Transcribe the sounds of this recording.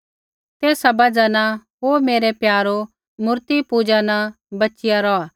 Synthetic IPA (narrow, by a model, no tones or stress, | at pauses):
t̪eːsabɐd͡ʒanaɦoːmeːɾepjaːɾo | mʊɾt̪ipud͡ʒana | bɐtːt͡ʃɪjaɾɔaː